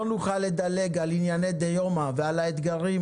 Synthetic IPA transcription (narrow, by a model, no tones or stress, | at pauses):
luχaled̪ale̞ɡalinjaned̪ejomavealaet̪ɡaʁi